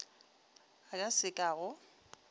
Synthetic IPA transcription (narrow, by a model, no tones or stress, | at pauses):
akʼasɪkʼaːɣʊ